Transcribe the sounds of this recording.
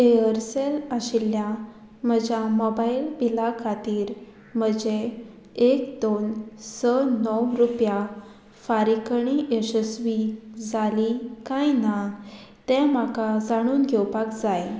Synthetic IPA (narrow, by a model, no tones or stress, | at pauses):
eəɾselaɕilːja | m̤əd͡ʑjamɔbailpilakʰat̪iːɾ | m̤əd͡ʑe | ekd̪onsənɔwɾupja | faɾikəɳiʔeɕəsʋid͡zalikajna | t̪ɛ̃makad͡zaɽ̃uːnɡʱewpakd͡zaj